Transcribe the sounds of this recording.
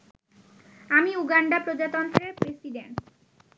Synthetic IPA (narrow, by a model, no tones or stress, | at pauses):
amiuɡaɳɖapɾod͡ʑat̪ɔnt̪ɾeɾpɾesiɖeɳʈ